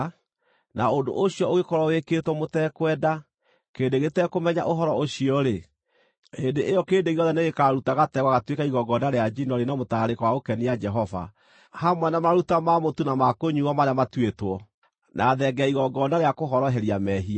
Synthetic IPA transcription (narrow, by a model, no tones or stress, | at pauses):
naondo̰ʔoɕiɔoɣekɔɾɔweketwɔmotɛkwɛːda | keːndeɣetɛkomɛɲa̰ʔoɦɔɾɔoɕiɔɾe | endeʔejɔkeːndeɣeɔðɛneɣekaɾutaɣatɛɣwaɣatwekaiɣɔɡɔdaɾead͡ʒinɔɾenamotaɾekwaokɛnijad͡ʒɛɦɔva̰ | hamwɛnamaɾutamamotunamakoɲuwamaɾeamatwetwɔ | nʔaðɛɡɛaiɣɔɡɔnaɾeakoɦɔɾɔɦɛɾiamɛɦia